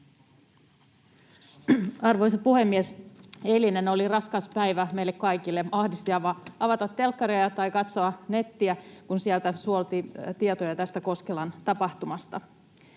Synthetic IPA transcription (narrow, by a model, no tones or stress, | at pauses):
ɑrʋojs̬ɑpuhe̞mːieseline̞no̞lirɑskɑspæjʋæme̞ilːekkɑjkilːe̞ɑhdist̪iɑʋɑɑʋɑt̪ɑt̪ːe̞lkːɑɾejɑt̪ɑjkɑt̪so̞ɑne̞t̪ːiækunsiælt̪æsuo̞lt̪it̪iet̪ojɑt̪æst̪æko̞skelɑnt̪ɑpɑht̪umɑst̪ɑ